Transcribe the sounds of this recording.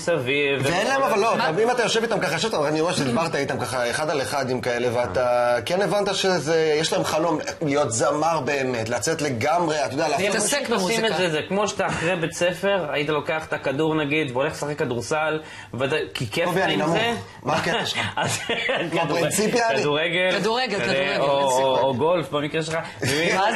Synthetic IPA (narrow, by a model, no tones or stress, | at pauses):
savivveenlaemavalːotamimat̪ajo̞ʃevit̪amkaχaoʃevt̪aanieʃedbaʁt̪ait̪amkaχaeχad̪aleχad̪imkae̞le̞veat̪akenevant̪aʃezejeʃlaemχalo̞mlijo̞t̪zamaʁbe̞ːme̞t̪lat͡set̪le̞ɡamʁeat̪ajodealaemseknsimezezekmo̞ʃt̪aːχʁebet͡se̞fe̞ʁajit̪alo̞keaχe̥t̪akad̪uʁnaɡid̪veoleχlesaχekːad̪uʁsal | vad̪ajkikefbiainamze | makeaazkd̪uʁit͡sipjakaiduʁeɡelad̪uʁeɡekaeɡooːɡolfbemikʁeʃelχa | vemi